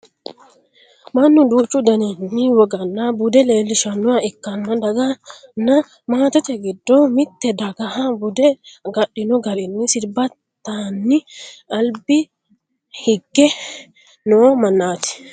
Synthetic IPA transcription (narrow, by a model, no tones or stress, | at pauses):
mɐnːʊd̪uːt͡ʃːʊd̪ɐnɛnːɪwɔɡɐnːabʊd̪ɛle̞ːlːɪʃɐnːʊwɐɪkːɐnːɐd̪ɐɡɐnːɐ | maːt̪ɔt̪ɛɡɪd̪ːomɪt̪ːɛd̪ɐɡɐhɐbʊd̪ɛɡɐɗɪnɔɡɐɾɛnːɪsɪlbɐt̪ːanːɪʔɐlbɪ | hɪɡːɛ | noːmɐnːaːt̪ɪ̥